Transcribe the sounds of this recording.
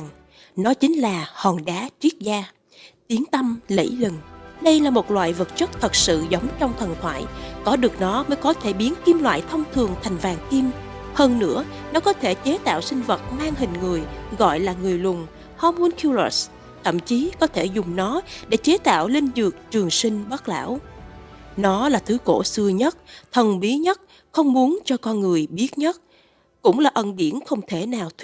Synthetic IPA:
ŋ | nɔ˨˦t͡ɕï˨˦ŋ̟laː˨˩hɔ˨˩nɗaː˨˦t͡ɕi˦˥ət̚zaː˧ | t̪i˨˦əŋt̪ə˧mlə̰˧˥˩jlɨ˨˩ŋɗə˧jlaː˨˩mo˨˩t̚lwa̰ː˧˨jvə˨˩t̚t͡ɕə˦˥t̚t̪ʰə˨˩t̚sɨ̰˧˨zə˨˦wŋ͡mt͡ɕɔ˧wŋ͡mt̪ʰə˨˩nt̪ʰwa̰ː˧˨jkɔ˨˦ɗɨ˨˩ək̚nɔ˨˦məː˨˦jkɔ˨˦t̪ʰe˧˩ɓi˨˦ənki˧mlwa̰ː˧˨jt̪ʰə˧wŋ͡mt̪ʰɨ˨˩əŋt̪ʰa˨˩jŋ̟vaː˨˩ŋki˧m | həː˧nːɨ̰˧˥ə | nɔ˨˦kɔ˨˦t̪ʰe˧˩t͡ɕe˨˦t̪a̰ː˧˨wsï˧ŋ̟və˨˩t̚maː˧ŋɦï˨˩ŋ̟ŋɨ˨˩əjɣɔ̰˧˨jlaː˨˩ŋɨ˨˩əjlʊ˨˩ŋ͡m | hɔ˧mu˧nkʰi˧wlə̰˨˩s | t̪ʰə̰˧˨mt͡ɕi˨˦kɔ˨˦t̪ʰe˧˩zʊ˨˩ŋ͡mnɔ˨˦ɗḛ˧˩t͡ɕe˨˦t̪a̰ː˧˨wli˧nzɨ˨˩ək̚t͡ɕɨ˨˩əŋsï˧ŋ̟ɓə˦˥t̚la̰ː˧˥˨w | nɔ˨˦laː˨˩t̪ʰɨ˨˦ko̰˧˩sɨ˧əɲə˦˥t̚t̪ʰə˨˩nɓi˨˦ɲə˦˥t̚ | xə˧wŋ͡mmu˨˦ənt͡ɕɔ˧kɔ˧nŋɨ˨˩əjɓi˦˥ət̚ɲə˦˥t̚ | kʊ̰˧˥ŋ͡mlaː˨˩ʔə˨˩nɗi˧˩ənxə˧wŋ͡mt̪ʰe˧˩naː˨˩wt̪ʰ

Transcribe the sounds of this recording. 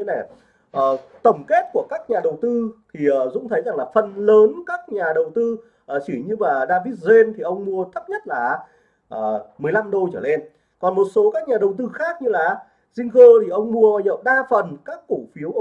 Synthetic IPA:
na˨˩ | ʔəː˨˩t̪ə˧˩wŋ͡mke˦˥t̚ku˧˩əkaː˦˥k̚ɲaː˨˩ɗə˨˩wt̪ɨ˧t̪ʰi˨˩ʔəː˨˩zʊ̰˧˥ŋ͡mt̪ʰə˨˦jza˨˩ŋlaː˨˩fə˨˩nləː˨˦nkaː˦˥k̚ɲaː˨˩ɗə˨˩wt̪ɨ˧ | ʔəː˨˩t͡ɕi˧˩ɲɨ˧vaː˨˩ɗaː˧vi˦˥t̚ze˧nt̪ʰi˨˩ʔə˧wŋ͡mmu˧ət̪ʰə˦˥p̚ɲə˦˥t̚laː˨˩ | ʔəː˨˩mɨ˨˩əjla˧mɗo˧t͡ɕəː˧˩le˧n | kɔ˨˩nmo˨˩t̚so˨˦kaː˦˥k̚ɲaː˨˩ɗə˨˩wt̪ɨ˧xaː˦˥k̚ɲɨ˧laː˨˩ | zï˧ŋ̟ɣəː˧t̪ʰi˨˩ʔə˧wŋ͡mmu˧ə˨˩ɲə̰˧˨wɗaː˧fə˨˩nkaː˦˥kːu˧˩fi˨˦əwʔ

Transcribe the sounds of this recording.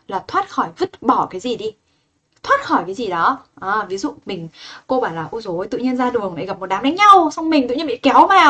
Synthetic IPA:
laː˨˩t̪ʰwaː˦˥t̚xɔ˧˩jvɨ˦˥t̚ɓɔ˧˩kaː˨˦jzi˨˩ɗi˧ | t̪ʰwaː˦˥t̚xɔ˧˩jkaː˨˦jzi˨˩ɗɔ˨˦ʔaː˨˩vi˨˦zṵ˧˨mï˨˩ŋ̟ko˧ɓaː˧˩nlaː˨˩ʔu˧zo˨˦jt̪ɨ̰˧˨ɲi˧ənzaː˧ɗɨ˨˩əŋɗa˨˩jɣa˨˩p̚m̚˨˩ɗaː˨˦mɗa˨˦ŋɲa˧wsa˧wŋ͡mmï˨˩ŋ̟t̪ɨ̰˧˨ɲi˧˦ɓḭ˧˨kɛ˨˦wmaː˨

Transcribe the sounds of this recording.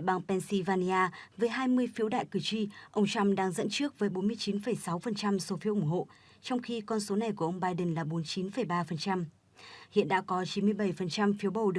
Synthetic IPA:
jɓaː˧ŋpɛ˧nsi˧vaː˧ni˧ʔaː˧vəː˨˦jɦaː˧jmɨ˧əjfi˨˦əwɗa̰ː˧˨jkɨ˨˩t͡ɕi˧ʔə˧wŋ͡mt͡ɕɔ˧mɗaː˧ŋzə̰˧˥nt͡ɕɨ˦˥ək̚vəː˨˦jɓo˨˦nmɨ˧əjt͡ɕi˨˦nfə˨˩jsa˨˦wfə˨˩nt͡ɕa˧mso˨˦fi˨˦ʔʊ˧˩ŋ͡mɦo̰˧˨ | t͡ɕɔ˧wŋ͡mxi˧kɔ˧nso˨˦na˨˩jku˧˩əʔə˧wŋ͡mɓaː˧jɗə˨˩nlaː˨˩ɓo˨˦nt͡ɕi˨˦nfə˨˩jɓaː˧fə˨˩nt͡ɕa˧m | hḭ˧˨ənɗa̰ː˧˥kɔ˨˦t͡ɕi˨˦nmɨ˧əjɓə˧˩jfə˨˩nt͡ɕa˧mfi˨˦əwɓə˨˩wɗɨ˨˩

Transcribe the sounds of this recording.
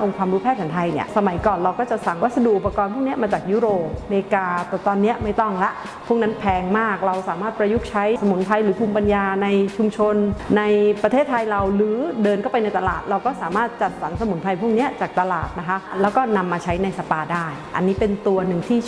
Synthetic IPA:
ʔo˧ŋkʰwaː˧mɾuː˦˥pʰɛː˥˩p̚sʰɛ˩˦t̪ʰa˧jnḭ˥˩ɐsa˧ma˩˦jkɔː˨˩nɾa˧wkɔː˥˩t͡ɕa˨˩ʔsa˨˩ŋwa˦˥t̪̚sa˧du˨˩ʔu˨˩pːa˧kɔː˧npʰu˥˩k̚ni˦˥ɐmaː˧t͡ɕaː˨˩k̚juː˦˥ɾoː˨˩p̚leː˧kaː˧t̪ɛ˨˩t̪ɔː˧nːi˦˥ɐma˥˩jt̪ɔ˥˩ŋlɛ˦˥ʔ | pʰu˥˩əkna˦˥npʰɛː˧ŋmaː˥˩k̚ɾa˧wsaː˨˦maː˥˩t̪̚pɾa˧ju˦˥k̚t͡ɕʰa˦˥jsa˧mu˩˦npʰa˧jɾɯː˩˦pʰuː˧mpa˧njaː˧na˧jt͡ɕʰu˧mt͡ɕʰo˧nːa˧jpɾa˧t̪ʰeː˥˩t̪ʰːa˧jɾa˧wlɯː˩˦dɤː˧nkʰːpa˧jna˧jt̪a˧la̰ː˨˩t̪̚ɾa˧wkɔː˥˩saː˩˦maː˥˩t̪̚t͡ɕa˨˩t̪̚sa˩˦nsa˧mu˨˩˦npʰa˧jpʰu˥˩ək̚ni˦˥ɐt͡ɕaː˨˩k̚t̪a˧laː˨˩t̪̚na˦˥kʰa˦˥ʔlɛː˦˥wkɔː˥˩na˧mːaː˧t͡ɕʰa˦˥jna˧jsa˧paː˧daː˥˩jʔa̰˧nːiː˦˥pe˧nt̪u˧ɐnɯ˨˩ŋt̪ʰiː˥˩

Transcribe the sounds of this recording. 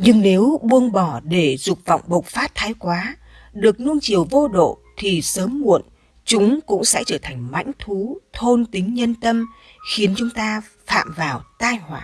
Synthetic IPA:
ɲɨ˧ŋne˨˦wɓu˧ənɓɔ˧˩ɗe˧˩zʊ˨˩k͡p̚vɔ̰˧˨wŋ͡mɓə˨˩wk͡p̚faː˦˥t̚t̪ʰːaː˨˦jkwaː˨˦ | ɗɨ˨˩ək̚nu˧ənt͡ɕi˨˩əwvo˧ɗo̰˧˨ | t̪ʰi˨˩səː˨˦mːṵ˧˨ən | t͡ɕʊ˨˦ŋ͡mkʊ̰˧˥ŋ͡msɛ̰˧˥t͡ɕəː˧˩t̪ʰa˨˩jŋ̟ma̰˧˥jŋ̟t̪ʰu˨˦t̪ʰo˧nt̪ï˨˦ŋ̟ɲə˧nt̪ə˧m | xi˨˦ənt͡ɕʊ˨˦ŋ͡mt̪aː˧ | fa̰ː˧˨mvaː˨˩wt̪aː˧jɦwaː˧˩

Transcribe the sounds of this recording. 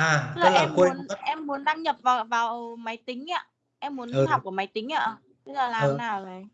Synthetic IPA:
ʔaː˨˩˦laː˨˦la˨˩˧mke˧˨˦ənʔɛ˧mːu˨˦ənɗaː˧ŋɲə˨˩p̚vaː˨˩vaː˨˩wma˨˦jt̪ï˨˦ŋ̟ʔaː˧˦ | ʔɛ˧mːu˨˦n˨˦hk͡p̚ku˧˩əma˨˩˦jt̪ï˨˦ŋ̟ʔaː˧ʔ | t̪ə˦˥k̚zaː˨˩laː˨˧˦naː˨˩wzə˨˩j

